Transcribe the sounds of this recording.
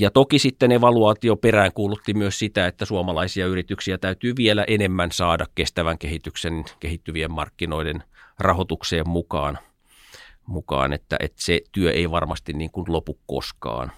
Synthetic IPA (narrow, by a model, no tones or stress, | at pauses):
jɑt̪okisit̪ːeneʋɑluɑːt̪ioperæːŋkuːlut̪ːimyøssit̪æet̪ːæsuomɑlɑisiɑyrit̪yksiæt̪æyt̪yːʋielæʔenemːænsɑːdɑkkest̪æʋæŋkehit̪yksenkehit̪ːyʋiemmɑ̰rkːino̞idenrɑhot̪ukseːmmukɑ̰ːn | mukɑ̰ːnḛt̪ːæ̰ʔḛt̪set̪yøʔeiʋɑrmɑst̪inniːŋkunlopukko̰skɑ̰ːn